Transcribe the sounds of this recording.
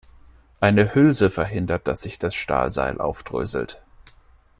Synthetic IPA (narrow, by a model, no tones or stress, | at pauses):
ʔaɪnəhʏlzəfɛɐɦɪndɐt̚d̥asz̥ɪçd̥asʃta̰ːlza̰ɪlʔa̰ʊfd̥ʁø̰ːzl̩t